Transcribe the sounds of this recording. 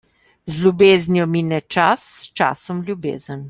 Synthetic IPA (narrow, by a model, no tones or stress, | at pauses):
zlʲjubeːznjɔminɛt͡ʃasːt͡ʃa̰ːsɔmlʲjubḛːzən